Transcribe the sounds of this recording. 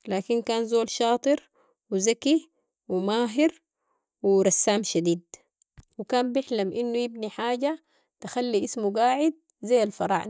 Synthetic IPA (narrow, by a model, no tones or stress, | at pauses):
laːkinkaːnzoːlʃɑːt̪ˤɨɾ | wizaki | wimaːɦiɾ | wiɾˤɑsːaːmʃad̪iːd̪ | wikaːmbɪħlamʔinːujibniħaːɟa | t̪axalːiʔismuɡaːʕɪd̪̚ | zajːalfɑɾˤɑ̰ːʕ